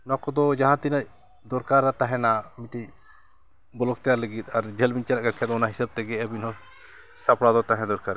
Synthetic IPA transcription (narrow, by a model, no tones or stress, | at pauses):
nɔkɔd̪ɔd͡ʒaɦãt̪inə | d̪ɔɾkaɾːat̪aɦɛ̃namiʈi | bɔlɔɡ̚t̪ɛjaɾləɡit̪̚aɾd͡ʒʱɛlmiɲt͡ʃalaʔɡaɾkʰɛt̪ɔnaɦisəb̚t̪ɛɡɛəbinɦɔ̃ | sapɽad̪ɔt̪aɦɛ̃d̪ɔɾkaɾ